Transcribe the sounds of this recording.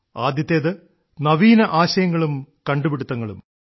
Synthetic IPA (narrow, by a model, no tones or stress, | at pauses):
aːd̪jɐt̪ːeːðɨ | nɐʋiːnɐʔaːɕɐjɐŋːɐɭumkɐɳɖubiɽut̪ːɐŋːɐɭṵm